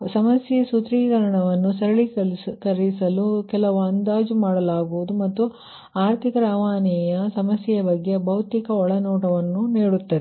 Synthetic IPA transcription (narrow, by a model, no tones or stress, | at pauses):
sɐmɐsjesut̪ɾiːkɐɾɐɳɐʋɐnːusɐɾɐɭikɐɾisɐlukɛlɐʋɐnd̪aːd͡ʒumaːɽɐlaːɡuʋud̪umɐt̪ːu | aːɾt̪ʰikɐɾɐːʋaːnɛjɐsɐmɐsjɐjɐbɐɡːebɐwt̪ikɐɔɭɐnɔːʈɐʋɐnːuniːɽut̪ːɐd̪e